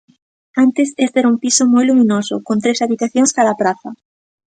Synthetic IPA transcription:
ant̪esest̪eɾaumpisomojlumĩnosʊkont̪ɾesaβit̪aθjõŋskaðapɾaθa

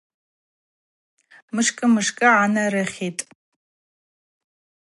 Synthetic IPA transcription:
mɨʂkʼɨmɨʂkʼɨʕanɐrɐχʲeːtʼ

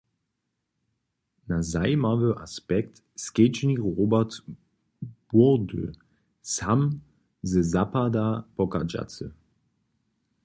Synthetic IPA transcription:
nazaɪmavøʔa̰spɛk̚t | sket͡ʃniʁoːbɛt | b̥udø̰ | sam | zəzapadapɔkad͡ʒa̰t͡sə

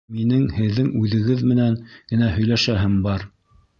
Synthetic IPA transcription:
minɘŋhɘ̆ðːɘŋʉðɘ̆ɡɘðmɘ̆næŋɡ̥ɘ̆næhɵ̆jlæʃæɦɘmbɑɾ

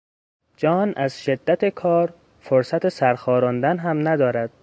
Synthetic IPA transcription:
d͡ʒɒnʔæzʃed̪ːæt̪ʰekʰɒːɾ | foɾsæt̪esæɾxɒːɾɒːnd̪ænɦæmnæd̪ɒːɾæd̪̥̚

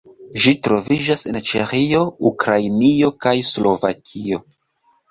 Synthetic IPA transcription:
ʒitɾo̞vid͡ʒase̞nt͡ʃeχio̞ukɾajnio̞kajslo̞va̰kʰio̞

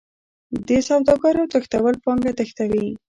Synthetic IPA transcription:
d̪əsawd̪ɑkɑɾawt̪əxt̪awəlpɑŋɡat̪əxt̪awi

